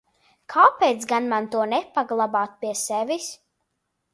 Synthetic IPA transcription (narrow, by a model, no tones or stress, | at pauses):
kʰaːpɛjt̪sɡanmant̪uɔnɛpaɡlˠabaːt̪̚piɛsɛvʲis